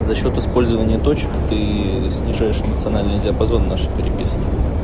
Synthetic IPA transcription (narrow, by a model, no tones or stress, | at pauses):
zɐɕːo̞t̪ɨspo̞lʲzəvənʲɪjət̪o̞t͡ɕɪ̥kt̪ɨ | sʲnʲɪʐajɪʂnət̪sɨɐnalʲnɨjdʲɪəpɐzo̞nːaʂɨ̥pʲɪɾʲɪpʲisʲkʲɪ